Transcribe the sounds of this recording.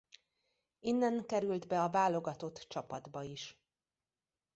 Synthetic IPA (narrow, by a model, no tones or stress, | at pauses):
inːɛŋkɛɾyld̪bɛɒvaːlːo̞ɡɒt̪o̞t̪ːt͡ʃɒpɒd̪bɒiʃ